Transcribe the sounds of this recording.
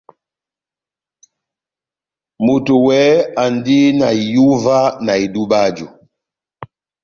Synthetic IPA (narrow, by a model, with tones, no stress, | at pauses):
mu˨tu˨wɛ˨˦a˨ndi˦na˨i˨ju˦va˦na˨i˨du˦ba˦d͡ʒu˨